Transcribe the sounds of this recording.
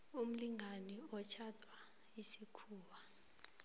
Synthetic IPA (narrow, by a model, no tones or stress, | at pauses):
um̩liŋʱaniɔt͡ʃʰatʰʼwa | isikʰuːwa